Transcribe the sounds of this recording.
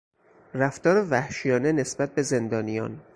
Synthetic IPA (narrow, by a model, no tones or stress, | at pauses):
ræft̪ɒːɾevæhʃijɒːnene̞sbæt̪̚be̞ze̞nd̪ɒːnijɒ̰ːn